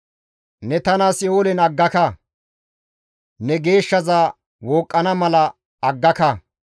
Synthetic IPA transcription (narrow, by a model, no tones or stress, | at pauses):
nɛt̪ɐnaːsjoːlɛnɐɡːɐkɐ | nɛɡe̞ːʃːɐzaː | woːkʼːɐnɐmɐlɐː | ɡːɐkɐ